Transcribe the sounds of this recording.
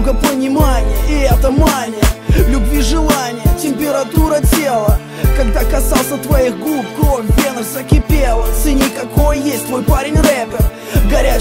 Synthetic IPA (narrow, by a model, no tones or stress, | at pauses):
ɡəpənʲɪmanʲɪjəɪɛt̪əmanʲɪjəlʲʊbvʲiʐɨlˠanʲɪjətʲɪmʲpʲɪɾɐt̪uɾətʲelˠə | kɐɡd̪akɐsalˠsʲət̪vɐiɣɡlˠup̚kɾo̞fʲvʲenərsəkʲɪpʲelˠəsɨnʲikɐko̞jjesʲtʲt̪vo̞jpaɾʲɪnʲrɛpʲɪr | ɡɐɾʲæ